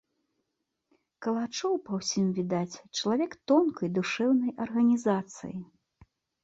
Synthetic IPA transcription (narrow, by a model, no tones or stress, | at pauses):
kɐlˠat͡ʂɔwpɐwsʲimvʲid̪at͡sʲt͡ʂɐlˠavʲɛkt̪ɔnkɐjd̪uʂɛwnɐjɐrɣɐnʲizat̪sɨ̰ji